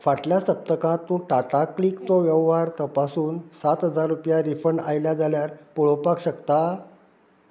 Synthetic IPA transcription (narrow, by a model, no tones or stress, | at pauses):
faʈljasəp̚t̪əkãt̪ːũːʈaʈaklikt͡soʋjɛʋʋaɾt̪əpasuːnsat̪ɦəd͡zaɾːupjaɾifəɳajljad͡zaljaɾpuɭopakɕəkt̪a